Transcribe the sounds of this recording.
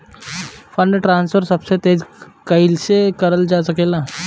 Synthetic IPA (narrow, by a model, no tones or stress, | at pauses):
fəɳɖʈɾansfəɾsəbset̪ed͡ʑkəilsekəɾəld͡ʑasəkela